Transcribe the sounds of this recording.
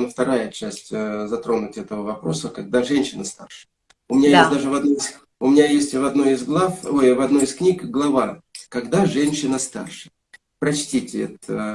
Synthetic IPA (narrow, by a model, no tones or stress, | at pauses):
nəft̪ɐɾajət͡ɕæsʲtʲzɐt̪ɾo̞nʊtʲɛt̪əvəvɐpɾo̞səkɐɡ̚d̪aʐɛnʲɕɪnəst̪arʂɨ̥ | ʊmʲɪnʲajesttd̪aʐɨvɐd̪noɪs | ʊmʲɪnʲajesʲtʲvɐd̪no̞ɪzɡlˠafojvɐd̪no̞ɪsknʲikɡlˠɐvakɐɡd̪aʐɛnʲɕːɪnəst̪a̰rʂɨ | pɾɐt͡ɕtʲitʲɪɛ̰t̪ə